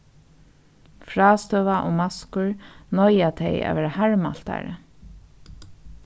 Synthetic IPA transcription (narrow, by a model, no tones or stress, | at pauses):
fɹaːst̪œːʋaʔoːmaskʊɹnɔjat̪ʰɛja̰ːʋɛːɾahaɹma̰l̥t̪a̰ɹə̰